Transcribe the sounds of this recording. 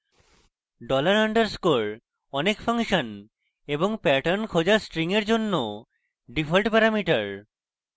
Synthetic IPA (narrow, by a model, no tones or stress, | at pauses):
ɖɔlaɾaɳɖəɾskoɾ | ɔnekfaŋʃon | eboŋpɛʈaɾnkʰod͡ʑasʈɾiŋeɾd͡ʑonːo | ɖifʰalʈpɛɾamiʈaɾ